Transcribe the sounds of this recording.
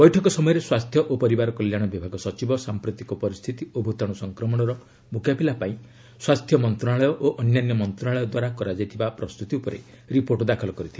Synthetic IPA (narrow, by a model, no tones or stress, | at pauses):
bɔjʈʰɔkɔsɔmɔjɔɾeswast̪ʰjɔʔopɔɾibaɾɔkɔljaɽ̃ɔbibʱaɡɔsɔt͡ʃibɔsampɾot̪ikɔpɔɾist̪ʰit̪iobʱut̪ɔɽ̃ɔsɔŋkɾɔmɔɽ̃ɔɾɔ | mukʰjapilapaĩ | swast̪ʰjɔmɔnt̪ɾɔaɭɔjɔʔoʔɔnjanjɔmɔnt̪ɾɔaɭɔjɔd̪waɾakɔɾad͡ʒajt̪ʰibapɾɔst̪ut̪iupɔɾḛ | ɾipoɾʈɔd̪akʰɔlɔkɔɾit̪ʰibe